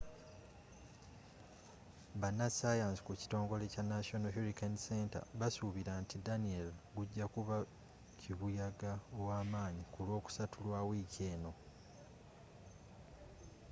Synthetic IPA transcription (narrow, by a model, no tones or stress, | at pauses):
βanːasaːjaːnzikuci̥to̞ːŋɡo̞le̞canːaso̞noɦuɾikanse̞ːnta̰βasuβiɾaːntidanielɡuɟːakuβa | ciβujaɡaowaːmaːɲikulwo̞ːku̥satʰulwaːwiːce̞ːno̞